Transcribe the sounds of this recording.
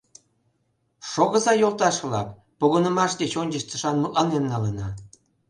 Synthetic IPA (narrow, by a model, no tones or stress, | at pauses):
ʃoɣə̆zɑjolˠt̪ɑʃβlɑ̰k | poɣənə̆mɑʃd̪et͡ɕonʲd͡ʑəʃt̪ə̥ʃɑnməʔənenːɑlenɑ̰